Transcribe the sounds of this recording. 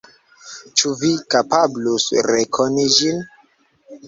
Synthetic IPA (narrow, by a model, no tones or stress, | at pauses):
t͡ʃuvikapablusɾekʰonid͡ʒin